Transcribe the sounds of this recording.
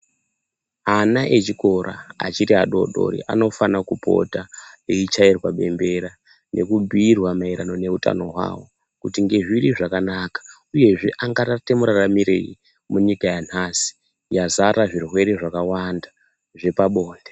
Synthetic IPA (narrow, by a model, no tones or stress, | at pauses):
anaʔe̞t͡ʃiko̞ɾʔa̰a̰t͡ʃitiɦaɗo̞̰ɗo̞̰ɾḭʔa̰no̞fanakupo̞̰taeit͡ʃairwaɓe̞̰mbe̞ɾa | nʔe̞̰kub͡vʱiːrwamaiɾano̞ne̞uta̰no̞ɦwa̰ːwo̞ | kutiŋɡe̞ʐiɾiʐakanakḁ | uje̞ʐe̞ʔaŋɡaratemuɾaramiɾḛi | muɲikajan̤asi̥ | jazaɾaʐirwe̞ɾeʐakawanda | ʐe̞paɓo̞ːnde